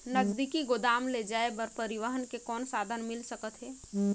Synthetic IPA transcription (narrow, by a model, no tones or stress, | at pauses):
nəzd̪ikiɡod̪aːmled͡ʒaːebəɾpəɾiʋəɦənkekɔːnsaːd̪ʱənmɪlsəkət̪ɦɛː